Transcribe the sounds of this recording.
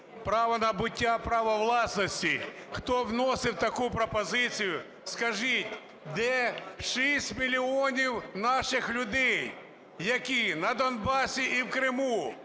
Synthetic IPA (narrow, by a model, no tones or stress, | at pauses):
pɾɑʋɔnɐbʊtʲːapɾɑʋɔʋlˠɑsnɔsʲtʲixt̪ɔwnɔsɪwt̪ɐkupɾɔpɔzɪt͡sʲijʊ | skɐʒitʲ | d̪ɛʃisʲtʲmʲilʲiɔnʲiwnɑʃɪxlʲʊd̪ɛj | jɐkʲinɐd̪ɔnbɑsʲiʔiwkɾɪmu